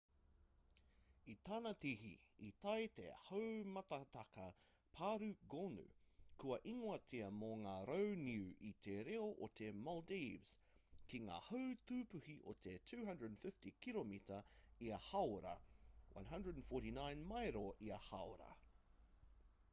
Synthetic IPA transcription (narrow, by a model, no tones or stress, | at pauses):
it̪anɐtiɦḭit̪ɐjt̪ḛhəwmɐt̪ɐt̪ɐkɐ | pʰaːɾʉɡonʉ̰kuɐʔiŋoɐtiɐmoŋaːɾowniʉit̪ʰeɾeoʔot̪emɔldivz̥ | kiŋa̰ːhəwt̪ʉːpʉhiʔo̰t̪ʰetʰʉːɦɐ̃ndɹədnfɪftikʰilomitɐiɐhawɾɐ̰wʔɐ̰̃nɦɐ̃ndɹədnfɔːɾinãjnmɐjɾoʔiɐhawɾɐ̰